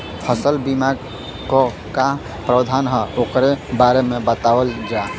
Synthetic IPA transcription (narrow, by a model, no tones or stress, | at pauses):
pʰəsəlbimaɡ | kɔ | ka | pɾəd̪ʱanɦəokɾebaɾemebət̪awəld͡ʒa